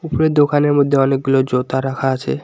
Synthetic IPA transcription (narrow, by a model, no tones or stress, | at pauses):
upoɾed̪okaneɾmod̪ʱːeɔnek̚ɡulod͡ʑot̪aɾakʰaat͡ɕʰḛ